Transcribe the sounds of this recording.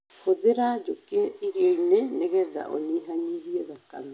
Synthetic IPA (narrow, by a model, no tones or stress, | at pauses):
hod̪eɾaːd͡ʒokeʔiɾiɔjneneɡɛd̪a̰ʔo̰niɦaɲiɾiaðaka̰m